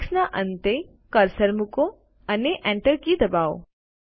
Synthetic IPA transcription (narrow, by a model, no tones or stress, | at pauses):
snaʔə̃nt̪e | kəɾsəɾmuko | ɐneʔɛ̃ɳʈəɾkid̪ɐbaːo̰